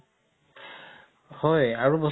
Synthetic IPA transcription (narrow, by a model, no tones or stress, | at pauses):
hɔjaɹubɔ